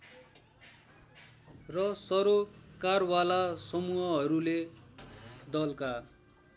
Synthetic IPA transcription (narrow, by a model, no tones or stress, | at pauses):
rʌsʌɾokarwalasʌmuɦʌɦʌɾule | d̪ʌlka